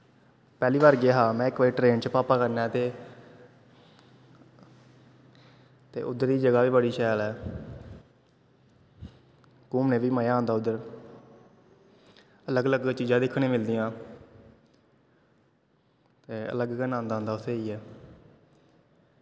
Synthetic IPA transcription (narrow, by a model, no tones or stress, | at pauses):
pɛːliːʋaːɾɡeːɦaːmɛ̃ːɪkʋəːɾiːʈɾeːnt͡ʃpaːpaːkəɾnɛːt̪eː | t̪ḛːʔʊd̪əɾd̪iːd͡ʒəɡaːʋiːbəɽiːʃɛːlɛː | kuːmnẽːʋiːməjãːõnd̪aːʊd̪əɾ | ələɡələɡt͡ʃiːd͡ʒãːd̪ɪkʰːɽ̃ẽːmɪld̪iːãː | t̪eːə̰ləɡkənãːnd̪aːɦʊnd̪aːʊt̪ʰːeːiːɛː